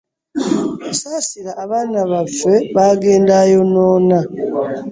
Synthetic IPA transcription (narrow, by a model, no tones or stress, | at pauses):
usaːsiɾaʔːβaːnaβafe̞βaːɡe̞ːndajo̞noːna